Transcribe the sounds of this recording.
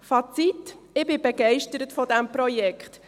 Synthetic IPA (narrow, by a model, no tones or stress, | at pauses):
fɑt͡sit | ɪbɪb̥ɛɡɛɪʃtəɾətfɔdɛmpɾɔjɛkχt